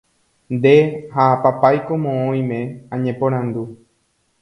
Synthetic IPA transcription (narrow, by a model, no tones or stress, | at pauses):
nd̪e̞hapapajko̞mõõj̃mẽ̞ãɲẽpõɾ̃ãnd̪u